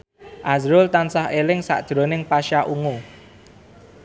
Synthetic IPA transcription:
ʔazɾʊlt̪ansaɦelɪŋsa̰ʔd̥ʒ̥ɾo̤nɪŋpaʃaʔuŋu

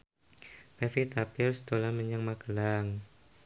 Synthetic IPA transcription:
pɛfit̪apɪrst̪olaməɲaŋmaɡəlaŋ

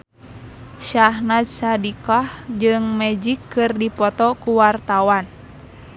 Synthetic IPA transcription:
ʃahnat̪̚sadikahd͡ʒɨŋmɛd͡ʒikːɨrdipɔt̪ɔkuwart̪awan

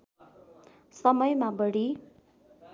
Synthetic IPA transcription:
sʌmʌjmabʌɽi

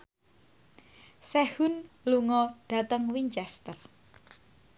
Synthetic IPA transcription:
sɛhʊnluŋɔɖ̥ä̤t̪əŋwiɲt͡ʃɛst̪ər

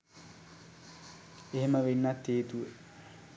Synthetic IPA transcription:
eɦeməʋenːɐt̪ːeːt̪uʋə

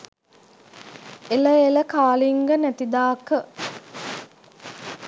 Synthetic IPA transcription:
eləeləkaːliŋɡənæt̪id̪aːkə

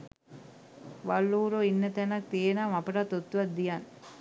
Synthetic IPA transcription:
ʋɐlːuːɾoːinːɐt̪ɐnak̚t̪ienaːmɐpɐʈaːt̪ot̪ːʋɐd̪ijaːn

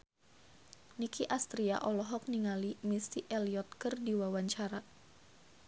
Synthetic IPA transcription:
nikiʔast̪ɾia̰ʔɔlɔɦɔk̚niŋalimist̪iʔɛliɔt̪̚kɨrdiwawaɲt͡ʃaɾa

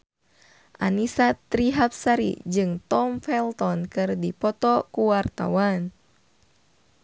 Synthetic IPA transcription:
ʔa̰nisat̪ɾiɦap̚saɾḭd͡ʒɨŋt̪ɔmfɛlt̪ɔnkɨrdipɔt̪ɔkuwart̪a̰wan

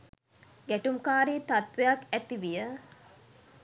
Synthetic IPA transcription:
ɡæʈumkaːɾiːt̪at̪ʋejakæt̪iʋijə

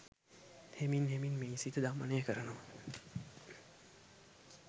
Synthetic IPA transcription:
heminɦeminmeːisit̪əd̪amənejəkəɾənəʋə

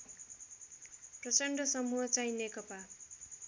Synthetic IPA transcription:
prʌt͡sʌɳɖʱʌsʌmuɦʌt͡sãĩnekʌpa

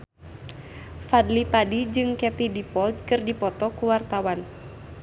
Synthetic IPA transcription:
fadlipadid͡ʒɨŋkɛt̪idipɔld̪̚kɨrdipɔt̪ɔkuwart̪awan

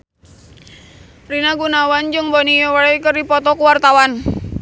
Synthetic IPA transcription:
rinaɡunawand͡ʒɨŋbɔnijɔwɾɛkərdipɔt̪ɔkuwart̪awan

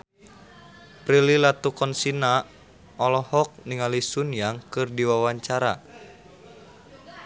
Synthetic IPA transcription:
pɾililat̪ukɔnsina | ɔlɔhɔk̚niŋalisunjaŋkɨrdiwawaɲt͡ʃaɾa̰

